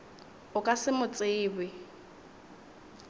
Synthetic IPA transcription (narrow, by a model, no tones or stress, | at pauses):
ʊkʼasɪmʊt͡sʼɪːbɪ